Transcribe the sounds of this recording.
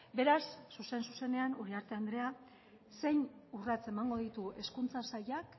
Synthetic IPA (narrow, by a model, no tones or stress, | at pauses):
be̞ɾasːuse̞nsuse̞ne̞anuɾiaɾt̪e̞and̪ɾe̞a | se̞jnurat͡se̞maŋɡo̞ðit̪ue̞skunt͡sasajak